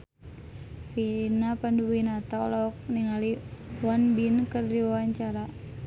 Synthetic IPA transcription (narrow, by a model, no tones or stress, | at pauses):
finapanduwinat̪aɔ̰lɔk̚niŋaliwanbinkərdiwawaɲt͡ʃaɾa